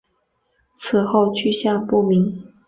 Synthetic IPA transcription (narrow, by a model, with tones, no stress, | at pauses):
t͡sʰɹ̩˨˩xo˥˧ʊt͡ɕʰy˥˧ɕjaɑ˥˧ŋpu˥˩mi˧˥ŋ